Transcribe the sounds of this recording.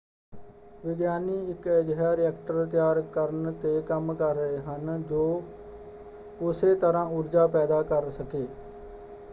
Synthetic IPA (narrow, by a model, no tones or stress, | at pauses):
ʋɪd̪jaːniːɪked͡ʒɦɛːɾɛːkʈəɾt̪̬ɪjaːɾkəɾənt̪eːkəmkəɾəeɦənd͡ʒoː | ʊset̪əɾãːʊɾd͡ʒaːpɛːd̪aːkəɾsəkeː